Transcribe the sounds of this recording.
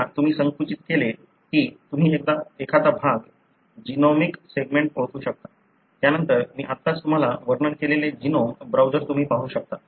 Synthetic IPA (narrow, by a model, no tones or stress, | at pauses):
t̪um̤iːsəŋkɾut͡ɕit̪kele | kiːt̪um̤iːek̚d̪aekʰat̪abʱaɡ | d͡ʑinɔmikseɡmeɳʈ̚oɭʈ̪uːɕək̚t̪ḁ | t̪janənt̪əɾmiːʔat̪ːat͡st̪um̤alaʋəɾɳəɳkeleled͡ʑinɔmbɾawd͡ʑəɾt̪um̤iːpaɦũːɕək̚t̪a